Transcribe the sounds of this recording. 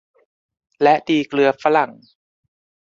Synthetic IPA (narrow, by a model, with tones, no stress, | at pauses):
lɛ˦˥ʔdiː˧klɯ˧ɐfa˦˥la˨˩˦ŋ